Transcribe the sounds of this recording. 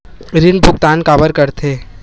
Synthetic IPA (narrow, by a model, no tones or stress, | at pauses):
ɾɪnbʱʊkt̪aːnkaːbəɾkɐɾt̪ʰeː